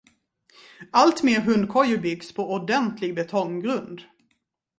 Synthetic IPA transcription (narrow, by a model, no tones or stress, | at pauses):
alt̪meːɾɦɵnd̪̚kʰɔjːəbɪɡspʰɔʔɔd̪ɛnt̪ʰlɪɡbɛt̪ʰɔŋɡɾɵnd̪